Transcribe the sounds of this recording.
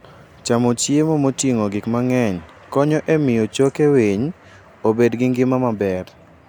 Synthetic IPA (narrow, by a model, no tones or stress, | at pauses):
t͡ʃamot͡ʃjemomotjiŋoɡɪkmaŋɛɲ | kɔɲɔʔemɪjot͡ʃokewiɲ | obedɡɪŋɡɪmamabɛɾ